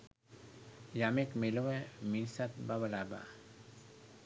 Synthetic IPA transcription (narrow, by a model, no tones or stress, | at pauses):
jamekmeloweminsat̪̚baβalaba̰